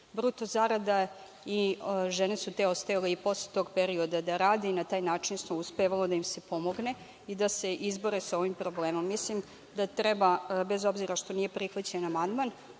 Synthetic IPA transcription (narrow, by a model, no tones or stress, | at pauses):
bɾut̪ozaɾad̪a | iʒenesut̪eo̞st̪ajaleipo̞slet̪o̞ːɡpeɾiod̪ad̪aɾaːd̪einat̪aːjnaːt͡ʃinsmouspeʋalod̪aimse̞po̞mo̞ɡne̞ | id̪ase̞ʔizbo̞ɾesao̞ʋimpɾo̞bleːmo̞mːislim | d̪at̪ɾɛbabezo̞bziɾaʃt̪o̞nije̞pɾixʋat͡ɕaenamand̪man